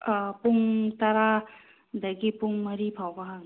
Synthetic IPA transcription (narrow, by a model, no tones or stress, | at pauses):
puŋt̪aɾa | d̪ɐɡipuŋmɐɾipʰawbaɦaŋ